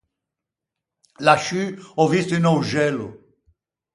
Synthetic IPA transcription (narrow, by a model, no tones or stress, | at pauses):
laʃyɔvist̪inɔwʒɛlṵ